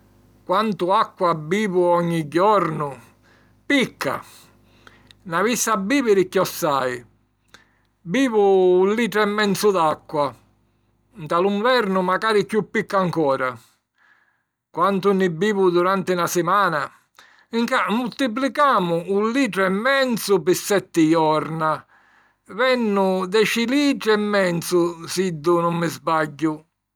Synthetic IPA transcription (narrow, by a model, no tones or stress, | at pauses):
kwant̪ʊakːabːiːvʊɔɲːiɟːɔɾnʊ | pikʰːa̰ | navisːabːiːvɪɾɪkːjɔsːaj | biːvʊːlliːʈ̪ɾɛmːɛnt̪sʊd̪akːwa | nt̪aluɱvɛɾnʊmakaːɾikjupːikːaŋkɔːɾa | kwant̪ʊnːɪbːiːvʊd̪uɾant̪ɪnasɪmaːna | iŋkamːult̪ip̬likaːmʊulliːʈɾʊɛmːɛnt̪sʊpɪsːɛt̪ːɪjɔɾna | vɛnːʊd̪ɛt͡ʃiliːʈɾɛmːɛnt̪sʊsid̪ːʊnʊmːɪzbaɟːʊ